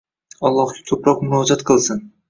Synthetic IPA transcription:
ɒlˠːɒhɡʲḁkʲʰopɾɒqmʊɾɒd͡ʒat̪qʰɨlˠsɪn

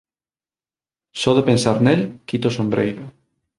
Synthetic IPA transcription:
sɔðepensaɾnelkit̪osombɾejɾo

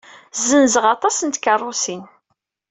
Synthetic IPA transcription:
zənzəʁɑt̪ˤɑsənt̪kərˤːʊsin

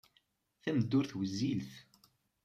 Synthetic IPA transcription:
θæməd̪ːʊɾθwəzːilθ

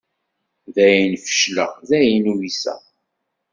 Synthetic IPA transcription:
ðæjənfə̥ʃlə̰ʁðæjinuwisæ̰

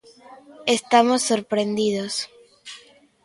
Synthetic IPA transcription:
est̪amosːoɾpɾend̪iðos

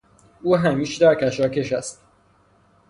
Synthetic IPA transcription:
ʔuːɦæmiːʃd̪æɾkæʃɒːce̞ʃæst̪

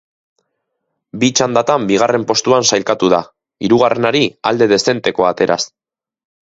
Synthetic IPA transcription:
bit͡ʃand̪at̪ambiɣ̞are̞mpo̞st̪uansajlkat̪uða | iɾuɣ̞arʔe̞naɾiald̪e̞ð̞e̞se̞nt̪e̞ko̞at̪e̞ɾʔa̰s

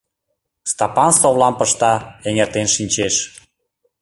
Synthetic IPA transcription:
st̪ɑpɑnsoβlɑmpəʃt̪ɑeŋert̪enʃinʲt͡ɕeʃ

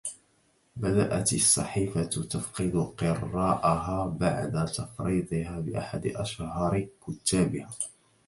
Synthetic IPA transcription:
bad̪a̰ʔat̪ɑsˤːɑ̰ħiːfat̪t̪afqɨd̪ʊqɨrˤːɑːʔaɦaːba̰ʕd̪at̪ɑfɾiːd̪ˤɨhaːbɪʔa̰ħad̪ɪʔaʃhɑɾˤkʊt̪ːaːbɪhaː

